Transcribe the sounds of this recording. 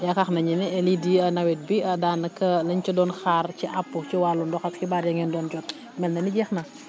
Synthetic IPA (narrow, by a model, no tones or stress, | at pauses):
jɐkɐxnɐɲinɛɛlidiɐnɐwɛt̚biɐdaːnɐkɐlɐɲt͡ʃɐdɔːnxaːrciʔapːut͡ʃiwalːundɔxɐskibaːɾjɐŋɛndɔːnd͡ʒɔt̚ | mɛlnɐniɟɛxnɐ